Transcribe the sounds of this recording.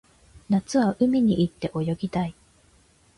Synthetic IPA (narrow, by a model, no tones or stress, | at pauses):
nat͡sɨβaʔɯ̟mʲiɲ̟iʔit̪ːe̞ʔo̞jo̞ɡʲit̪ai